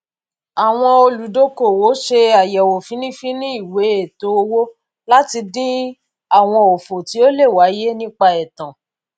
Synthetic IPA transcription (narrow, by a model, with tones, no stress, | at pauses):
a˨w̃ɔ̃˧o˧lu˨do˦ko˦˨wo˨˦ʃe˧a˨jɛ˨wo˨fĩ˨˦nĩ˦fĩ˦nĩ˦i˦˨we˨˦e˦˨to˨˦o˧wo˦ | la˦ti˧dĩ˦ | a˦˨w̃ɔ̃˧o˨fo˨ti˨˦o˦le˦˨wa˨˦je˦nĩ˦k͡pa˧ɛ˨tã˨